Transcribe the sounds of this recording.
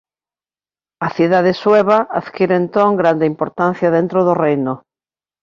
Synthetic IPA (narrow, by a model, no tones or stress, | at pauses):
aθjuðað̞esweβaaðkiɾent̪oŋɡɾand̪eimpoɾt̪anθjaðent̪ɾoðorejno